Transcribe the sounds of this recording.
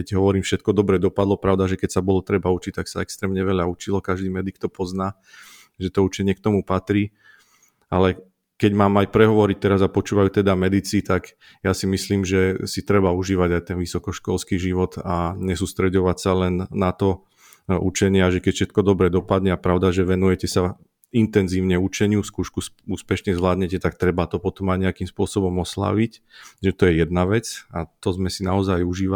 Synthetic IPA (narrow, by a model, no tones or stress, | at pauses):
kɛɟɦɔʋɔɾiːmfʃɛt̪kɔd̪ɔbɾɛd̪ɔpad̪lɔpɾaʊd̪aʒɛkɛcsabɔlɔt̪ɾɛbaut͡ʃic̚t̪aksaɛkst̪ɾɛːmɲɛʋɛʎaut͡ʃilɔkaʒd̪iːmɛd̪ik̚t̪ɔpɔznaː | ʒɛt̪ɔut͡ʃɛɲɪɛk̚t̪ɔmupat̪ɾiː | alɛ | kɛɟmaːmajpɾɛɦɔʋɔɾic̚t̪ɛɾazapɔt͡ʃuːʋajut̪ɛd̪amɛd̪it͡siːt̪aɡ | jasimisliːmʒɛsit̪ɾɛbauʒiːʋaɟajt̪ɛnʋisɔkɔʃkɔlskiʒiʋɔt̪aɲɛsuːst̪ɾɛɟɔʋacsalɛnːat̪ɔ | ʔut͡ʃɛɲɪaaʒɛkɛcfʃɛt̪kɔd̪ɔbɾɛd̪ɔpad̪ɲɛapɾaʊd̪aʒɛʋɛnujɛcɛsa | int̪ɛnziːʊɲɛut͡ʃɛɲɪuskuːʃkusuːspɛʃɲɛzʋlaːd̪ɲɛcɛt̪ak̚t̪ɾɛbat̪ɔpɔt̪ɔmaɲɛakimspʊɔsɔbɔmɔsla̰ʋic | ʒɛt̪ɔjɛjɛd̪naʋɛt͡sat̪ɔzmɛsinaɔzajuʒiːʋa